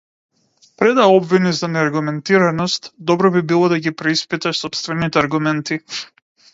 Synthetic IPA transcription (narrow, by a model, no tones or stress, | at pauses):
pɾɛd̪aɔbvinizanɛaɾɡumɛnt̪iɾanɔst̪d̪ɔbɾɔbibilˠɔd̪aɡipɾɛispit̪ɛsɔpst̪vɛnit̪ɛaɾɡumɛnt̪i